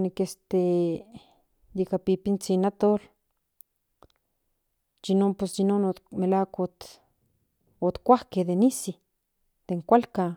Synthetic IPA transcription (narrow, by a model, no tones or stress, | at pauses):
nikest̪e | jikapipint͡sinat̪ol | d͡ʒinomposd͡ʒinonomelakot̪ | ot̪kʷahkehd̪enisi | d̪̥eŋkʷalka